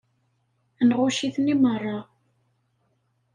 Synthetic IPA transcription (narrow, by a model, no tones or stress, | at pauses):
nʁʊʃiθnimərˤːɑ